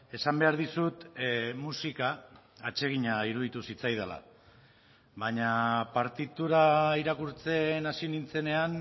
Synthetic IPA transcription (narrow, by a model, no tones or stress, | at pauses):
e̞sambe̞aɾðisut̪musikaː | t͡ʃe̞ɣ̞iɲaiɾuðit̪usit͡sajð̞ala̰ | βaɲapaɾt̪it̪uɾaiɾakuɾt͡se̞nasinint͡se̞ne̞an